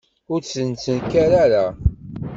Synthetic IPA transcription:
ʊɾsənt͡sənkæɾaɾa

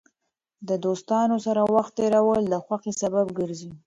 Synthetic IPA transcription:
d̪əd̪ost̪ɑnosaɾawaxt̪ːeɾawəld̪əxwaxisababɡəɾzi

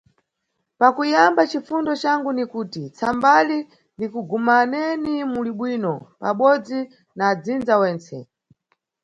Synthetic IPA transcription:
pakujambat͡ʃifundɔt͡ʃaŋɡunikuːtit͡sʰambali | ndikuɡumanɛnimuliɓwinɔpa̰ɓɔd͡zi | naːd͡zind͡zawɛːnt͡sɛ̰

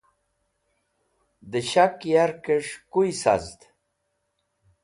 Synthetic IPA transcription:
d̪əɕakjaɾkeʂkujsa̰zd̪

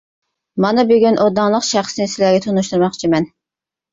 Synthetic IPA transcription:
mɑnɨbøɡʲynʔod̪ɑŋlˠəqʃæχsɪnɪsɪlæɡʲɛt̪ʰonuʃt̪uɾmɑχt͡ʃʰimɛn

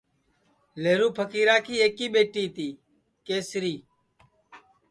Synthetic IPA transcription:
leːɾuːpʰəkiːɾaːkiːeːkiːɓeːʈiːt̪iː | keːsɾiː

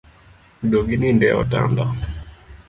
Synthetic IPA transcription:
doɡinindɛɔ̰ta̰nda

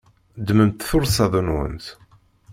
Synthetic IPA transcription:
d̪məmt̪θʊɾsɑðˤunwə̰nθ

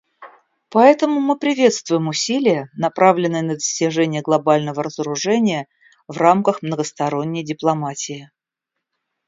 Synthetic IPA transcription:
pɐɛt̪əmʊmɨpɾʲɪvʲe̞t̪st̪vʊjɪmʊsʲilʲɪjənɐpɾʔavlʲɪnːɨjənəd̪əsʲtʲɪʐɛnʲɪjəɡlˠɐbalʲnəvəɾəzəɾʊʐɛnʲɪjə | vramkəxmnəɡəst̪ɐɾonʲːɪjdʲɪplˠɐmatʲɪɪ

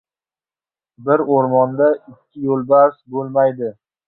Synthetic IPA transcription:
bɪɾoɾmɒnd̪aɪkʲʰːɪjolˠbaɾsbolˠmajd̪ɪ

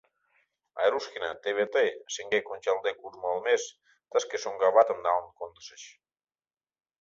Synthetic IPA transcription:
a̰eɾuskinat̪eβet̪eseŋɡekonʲt͡ʃalˠd̪ekuzmolˠmes | t̪askesoŋɡaβat̪əmd̪aoŋkont̪seʃ

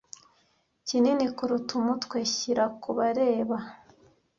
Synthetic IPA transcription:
cininikuɾutumutkweçiɾakuβaɾeːβa

